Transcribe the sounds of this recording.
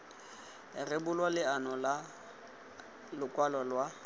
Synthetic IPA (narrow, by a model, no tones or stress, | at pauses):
ɪrɪbʊlwalɪanɔla | lʊkʼwalɔlwa